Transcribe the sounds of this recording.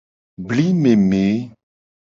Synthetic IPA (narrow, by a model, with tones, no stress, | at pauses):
bli˦me˨me˨˦